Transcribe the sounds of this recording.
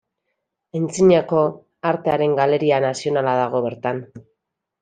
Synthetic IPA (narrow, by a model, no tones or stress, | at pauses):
ent͡siɲako̞ | aɾt̪e̞aɾe̞ŋɡale̞ɾianasio̞nalað̞aɣ̞o̞βe̞ɾt̪an